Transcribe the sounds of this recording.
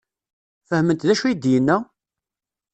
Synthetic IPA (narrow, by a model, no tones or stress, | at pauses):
fəhmənt̪ðæʃujid̪jənːə